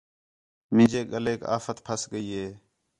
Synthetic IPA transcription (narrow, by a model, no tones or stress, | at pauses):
mɪ̃ːd͡ʒeːɠəleːka̰ːfət̪pʰəsɠəiːɦeː